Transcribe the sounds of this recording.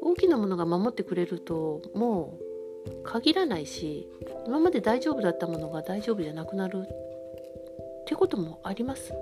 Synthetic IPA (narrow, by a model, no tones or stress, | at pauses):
o̞ːkʲinamo̞no̞ɡamamo̞t̪ːe̞kɯ̟ɾe̞ɾɯ̟t̪o̞mo̞ː | kʰaɡʲiɾanaiɕi | imamad̪e̞d̪aiʑo̞ːbɯ̟d̪at̪ːamo̞no̞ɡad̪aiʑo̞ːbɯ̟ʑanakɯ̟naɾɯ̟ | t̪ːeko̞t̪o̞mo̞aɾʲimasɨ̥